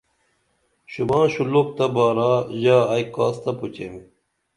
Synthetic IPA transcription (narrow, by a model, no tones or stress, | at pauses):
ɕubãːɕulok̚t̪ɐbaːɾaʑaːjkaːst̪ɐput͡ɕemi